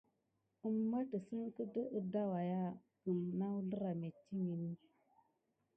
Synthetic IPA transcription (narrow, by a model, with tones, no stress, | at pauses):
ə˦mːa˦tə˨sə˦ŋ˦kə˦də˦ʔə˦da˦wa˨ja˦ | ɡ̥ə˨mna˦wu˦lə˦ɾa˨me˨t͡ʃi˦ŋi˨ni˦